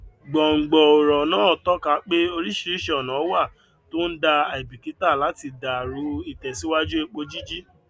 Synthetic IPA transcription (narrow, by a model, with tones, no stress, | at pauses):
ɡ͡bɔ˨ŋ̩˨ɡ͡bɔ˨o˨ɾɔ˨nãː˦˨tɔ˦ka˧˦k͡pe˦o˧ɾi˦ʃi˦ɾi˦ʃe˦ɔ˨nã˨˦wa˦˨ | to˦n̩˦da˧a˨i˨bi˨ki˨˦ta˦˨la˨˦ti˧da˨ɾu˨˦i˨tɛ˨si˨˦wa˦d͡ʒu˦e˧k͡po˧d͡ʒi˦d͡ʒi˦